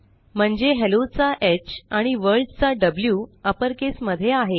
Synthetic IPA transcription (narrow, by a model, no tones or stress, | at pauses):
m̤əɳd͡zeɦelot͡saʔet͡ɕaɽ̃iʋəɾɭɖt͡saɖəbljuːəpəɾkesməd̪ʱːjeaɦe